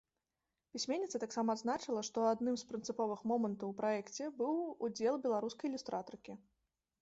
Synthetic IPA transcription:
pʲisʲmʲenʲːɛt̪sɐt̪aksamɐad̪znat͡ʂɨlˠɐʂt̪ɔad̪nɨmspɾɨnt̪sɨpɔvɨxmɔmɐnt̪ɐwpɾaɛkt͡sʲɛbɨwud͡zʲɛlˠbʲɛlˠaɾuskɐjilʲust̪ɾʔat̪ɔɾkʲi

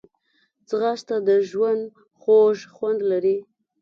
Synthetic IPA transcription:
t͡sɣast̪ad̪əʒwand̪ | xoʒxwand̪laɾi

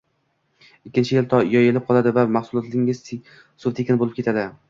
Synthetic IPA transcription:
ɪkʲːɪnt͡ʃʰɪjɪlt̪ʰɒjɒjelɪp̚qʰɒlˠad̪ɪvamaχsʊlˠɒt̪lɪŋɪz̥ | sʊɾt̪ʰekʲɪnbolˠɪpkʲet̪ʰad̪ɪ

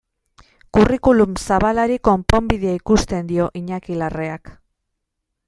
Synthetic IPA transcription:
kurikulumsaβalaɾiko̞mpo̞mbiðeaikust̪e̞nd̪io̞ʔiɲakilareak

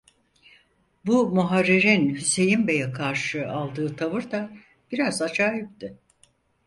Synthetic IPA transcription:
bumuɦaɾːiɾinhyse̞jimbe̞jɛkʰaɾʃɯʔalˠd̪ɯːt̪ʰavɯɾd̪a | b̥iɾazad͡ʒaːɦip̚t̪ɪ

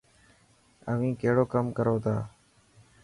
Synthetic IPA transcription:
ə̰ʋĩːkeɦɽoːkəmkəɾoːt̪ʰaː

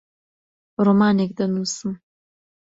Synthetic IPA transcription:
ɾomaːnek̚d̪ɐnuːsɨm

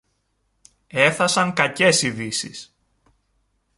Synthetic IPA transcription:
e̞θɐsɐŋkɐce̞siðisis

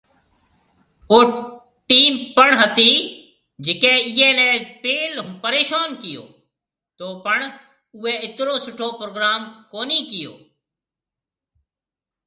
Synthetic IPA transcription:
oː | ʈiːmpəɳɦət̪iː | d͡ʒɪkẽːiɦẽːlɛ̃ːpeːlpəɾeːʃaːnkɪjo̰ː | t̪oːpəɳ | ʊːeːɪt̪ɾoːsʊʈʰoːpɾoːɡɾaːmkoːniːkɪjo̰ː

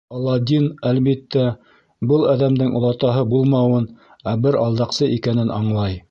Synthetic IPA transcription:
ɑlˠːɑd̪ʲinælβit̪ːæ | bɤlˠæðæmd̪ɘŋʔŏ̰lˠɑt̪ɑɦɤbulˠmɑwɤn | æbɘɾɑlˠd̪ɑqsɤʔikænɘnʔɑɴlˠɑj

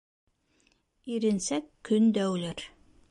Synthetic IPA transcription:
iɾɘ̆nsækːɵnd̪æwlɘɾ

